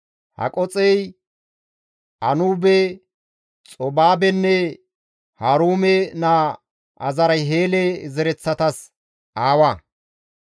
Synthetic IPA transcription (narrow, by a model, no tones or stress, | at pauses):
hɐ̰kʼɔt͡sʼɛj | ʔɐnuːbɛ | t͡sʼɔbaːbɛnːɛ | haːɾuːmɛna | ʔɐzɐɾɐjɦeːlezɛɾɛt͡sːɐt̪ɐs | ʔaːwa